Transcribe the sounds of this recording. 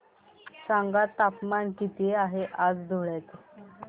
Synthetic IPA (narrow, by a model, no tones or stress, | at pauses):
saŋɡat̪apmankit̪ieaɦeʔad͡zd̪ʱuɭet̪